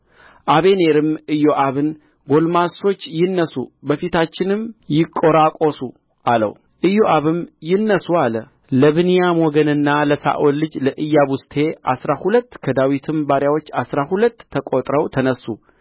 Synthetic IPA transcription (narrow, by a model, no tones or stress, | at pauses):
ʔaβe̞ne̞ɾɨmɨjːo̞ʔaβɨn | ɡo̞lmaso̞t͡ʃːjɪnːəsṵbəfit̪ʰat͡ʃːɪnɨmjɪkʼːo̞ɾakʼo̞su | ʔalə̰w | ʔɨjoʔaβɨmjɪnːəsualə | ləβɨnijamoɡənɨnːaləsa̰ʔolːɨd͡ʒləʔɨjːaβust̪ʰe̞ʔa̰sɾahulət̪ːkʰəd̪awit̪ʰɨmbaɾjawo̞t͡ʃːasɾahulət̪ʰːəkʼot̪ʼɾəwt̪ʰənəsːu